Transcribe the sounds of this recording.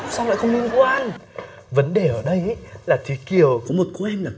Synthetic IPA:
sa˧wŋ͡mla̰ː˧˨xə˧wŋ͡mli˧ənkwaː˧n | və˨˦nɗe˨˩ʔəː˧˩ɗə˧jʔə˦laː˨˩t̪ʰi˨˦ki˨˩əwkɔ˨˦mo˨˩t̚ku˨˦ʔɛ˧mlaː˨˩

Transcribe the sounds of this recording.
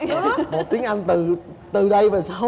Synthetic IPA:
mo˨˩t̚t̪i˨˦əŋʔa˧jŋ̟t̪ɨ˨˩t̪ɨ˨˩ɗə˧jvaː˨˩saː˧

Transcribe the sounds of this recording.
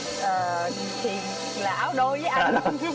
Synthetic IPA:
ʔəː˨˩˨ | t̪ʰi˨˩ən | la̰ː˧˨˦wɗo˧jzəː˨˦jʔa˧˨˧

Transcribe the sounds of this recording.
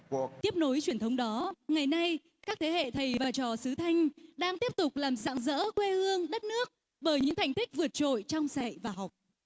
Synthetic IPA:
t̪i˦˥əp̚no˨˦jt͡ɕwi˧˩ənt̪ə˨˦wŋ͡mɗɔ˨˦ŋa˨˩jna˧j | kaː˦˥k̚t̪ʰe˨˦hḛ˧˨t̪ʰə˨˩jvaː˨˩t͡ɕɔ˨˩sɨ˨˦t̪ʰa˧jŋ̟ɗaː˧ŋt̪i˦˥əp̚t̪ʊ˨˩k͡p̚laː˨˩mza̰ː˧˨ŋzə̰ː˧˥kwe˧hɨ˧əŋɗə˦˥t̚nɨ˦˥ək̚ | ɓəː˧˩jɲɨ̰˧˥ŋt̪ʰa˨˩jŋ̟t̪ʰï˦˥k̟̚vɨ˨˩ət̚t͡ɕo̰˧˨jt͡ɕɔ˧wŋ͡msa˨jvaː˨˩ɦa˨˩wk͡p̚

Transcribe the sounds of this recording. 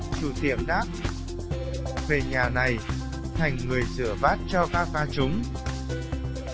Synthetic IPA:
t͡ɕu˧˩t̪i˧˩əmɗaː˦˥k̚ | ve˨˩ɲaː˨˩na˨˩j | t̪ʰa˨˩jŋ̟ŋɨ˨˩əjsɨ˧˩əvaː˦˥t̚t͡ɕɔ˧kaː˦˥k̚vaː˧t͡ɕʊ˨˦ŋ͡m

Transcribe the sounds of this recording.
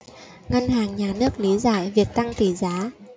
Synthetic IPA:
ŋa˧nhaː˨˩ŋɲaː˨˩nɨ˦˥ək̚li˨˦za̰ː˧˩˨jvi˨˩ək̚t̪a˧ŋt̪i˧˩zaː˨˦

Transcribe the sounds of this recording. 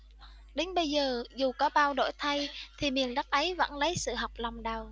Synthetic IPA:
ɗe˨˦ŋ̟ɓə˧jzəː˨˩zu˨˩kɔ˨˦ɓaː˧wɗo̰˧˥jt̪ʰa˧jt̪ʰi˨˩mi˨˩ənɗa˦˥t̚ʔə˨˦jvə̰˧˥nlə˨˦jsɨ̰˧˨ɦa˨˩wk͡p̚la˨˩wŋ͡mɗa˨˩w

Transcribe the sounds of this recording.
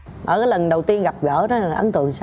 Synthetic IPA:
ʔə̰ː˧˩kaː˨˦jlə˨˩nɗə˨˩wt̪i˧ənɣa˨˩p̚ɣəː˧˩nɔ˨˦˨ʔə̰˧˩nt̪ɨ̰˧˨əŋsa˧

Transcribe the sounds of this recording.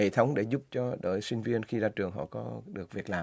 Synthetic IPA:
e˧˩t̪ʰə˨˦wŋ͡mɗe˧˩zu˦˥p̚t͡ɕɔ˧ɗəː˧˩jsï˧ŋ̟vi˧ənxi˧zaː˧t͡ɕɨ˨˩əŋɦɔ̰˧˨kɔ˨˦ɗɨ˨˩ək̚vi˨˩ək̚laː˨˩

